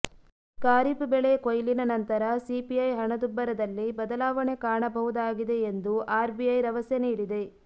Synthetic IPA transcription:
kaːɾipbɛɭekojlinɐnɐnt̪ɐɾɐsipiɐjɦɐɳɐd̪ubːɐɾɐd̪ɐlːibɐd̪ɐlaːʋɐɳe̞kaːɳɐbɐɦud̪aːɡid̪e̞ːnd̪uʔaːɾbiɐjɾɐʋɐsɐniːɽid̪e̞

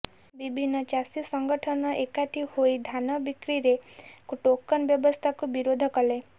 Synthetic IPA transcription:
bibʱinːɔt͡ʃasisɔŋɡɔʈʰɔnɔʔekaʈʰihoid̪ʱanɔbikɾiɾekuʈokɔnbjɔbɔst̪ʰakubiɾod̪ʱɔkɔle

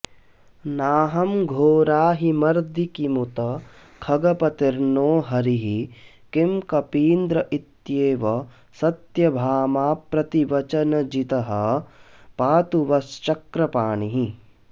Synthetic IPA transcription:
naːɦɐmɡʱoːɾaːɦimɐɾd̪ikimut̪ɐ | kʰɐɡɐpɐt̪iɾnoːɦɐɾiɦi | kimkɐpiːnd̪ɾɐʔit̪jeːʋɐ | sɐt̪jɐbʱaːmaːpɾɐt̪iʋɐt͡ʃɐnɐd͡ʒit̪ɐɦɐ | paːt̪uʋɐst͡ʃɐkɾɐpaːɳiɦi

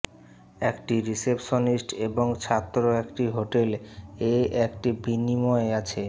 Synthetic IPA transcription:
ekʈiɾisepʃonisʈeboŋt͡ɕʰat̪ːɾoekʈiɦoʈeleɛkʈibinimɔeat͡ɕʰe

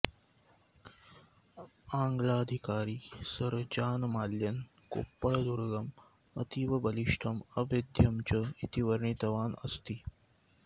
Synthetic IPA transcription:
aːŋɡɭaːd̪ʱikaːɾiːsɐɾd͡ʒaːnmaːljɐn | ko̰ːpːɐɭd̪uɾɡɐm | ɐt̪iʋɐbɐliʂʈʰɐmɐbed̪ʱjɐmt͡ʃɐit̪iʋɐɾɳit̪ɐʋaːnɐst̪i

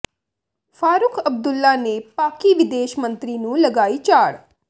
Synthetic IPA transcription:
fʰaːɾʊkʰəb̚d̪ʊlːanepaːkiːʋɪd̪eːʃmə̃nt̪ɾiːnũːləɡaːiːt͡ʃaːɽ

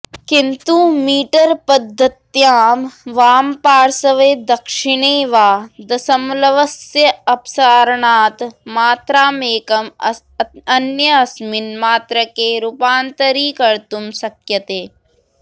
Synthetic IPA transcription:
kɪnt̪umiːʈɐɾpɐd̪ʱːɐt̪jaːmʋaːmpaːɾsɐʋeːd̪ɐkʃɪɳeːʋaːd̪ɐsɐmlɐʋɐsjɐɐpsaːɾɳaːt̪maːt̪ɾaːmeːkɐm | ɐnjɐɐsmɪnmaːt̪ɾəkeːɾupaːnt̪ɐɾiːkɐɾt̪umsɐkjɐt̪eː

